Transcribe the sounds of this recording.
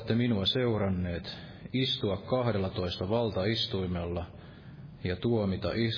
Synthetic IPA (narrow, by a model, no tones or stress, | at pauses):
t̪ːeminuɑse̞urɑnːeːt̪ | ist̪uɑkkɑhdelːɑt̪o̞ist̪ɑʋɑlt̪ɑist̪uimelːɑ | jɑt̪uomit̪ɑ̰ʔi